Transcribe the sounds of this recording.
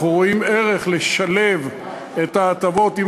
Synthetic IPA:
uʁoimeʁe̞χleʃale̞v | etaːt̪avo̞tim

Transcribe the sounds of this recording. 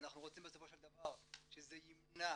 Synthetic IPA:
naχnuʁo̞t͡simbeso̞fo̞ʃeld̪avaʁʃezeimna

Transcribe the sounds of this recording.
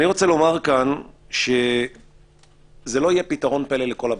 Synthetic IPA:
niʁo̞t͡selo̞maʁkanʃe | zelo̞ajepitaʁo̞npeleleko̞lab

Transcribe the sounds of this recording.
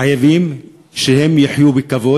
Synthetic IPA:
ajavim | ʃehe̞mjaħjubekavo̞

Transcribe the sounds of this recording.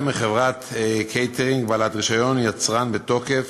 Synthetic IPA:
miχevʁatkʰejt̪eʁiŋɡbalat̪ʁiʃajo̞njat͡sʁanbeto̞ke̞f

